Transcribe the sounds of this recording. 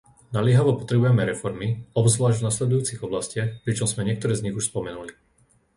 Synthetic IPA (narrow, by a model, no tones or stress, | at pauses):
nalɪɛɦaʋɔpɔt̪ɾɛbujɛmɛɾɛfɔɾmiɔbzʋlaːʒɟvnaslɛd̪ujuːt͡siɣɔblascɪaxpɾit͡ʃɔmzmɛɲɪɛk̚t̪ɔɾɛːzɲiɣuʃspɔmɛnuli